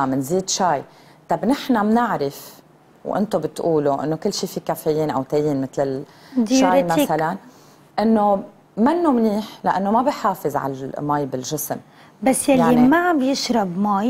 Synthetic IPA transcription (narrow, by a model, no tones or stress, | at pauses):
ʔamɪnziːd̪ʃaːj | t̪ɑbnɪħnamnɪʕɾɪf | wʔɪ̰nt̪obɪt̪ʔuːloʔɪ̰nːokɪlːʃiːfikafejiːnʔa̰wt̪ajiːnmɪt̪lɪl | d̪ʃaːɾemasalan | ʔɪnːo | manːomniːħlaʔanːomabɪħaːfɪzʕa̰lmaːjbɪlʒɪsm | basːjaljaːimaʕambjɪʃɾɑbmaːj